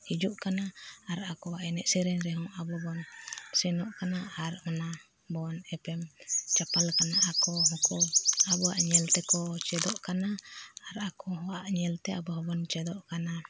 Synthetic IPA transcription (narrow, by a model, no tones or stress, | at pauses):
hid͡ʒuʔkanaːɾakɔaʔɛnɛʔsɛɾɛŋɾɛɦɔŋabɔbɔnsɛnɔʔkanaaɾmana | bɔnɛpɛmt͡ʃapalkanaʔakɔɦɔkɔmabɔa̰ʔɲɛlt̪ɛkɔt͡ʃɛd̪ɔʔkanaaɾakɔɦɔaʔɲɛlt̪ɛabɔɦɔbɔnt͡ʃɛd̪ɔʔkana